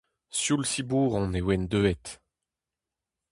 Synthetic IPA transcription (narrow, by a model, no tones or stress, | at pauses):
sjulsibuːʁɔ̃newɛnd̪øɛt̪